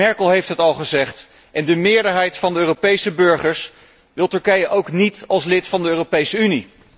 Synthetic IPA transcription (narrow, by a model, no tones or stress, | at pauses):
ɛɹkəlˠɦejftɦətɑlˠχəzɛχt | ʔɛndəmɪːɹdəɹɦɛjtfɑndəøːropejsəbøɹχəɹs | ʋɪlˠtɵɹkɛjəʔowknitɑlˠslɪtfɑndəøːropejsəyni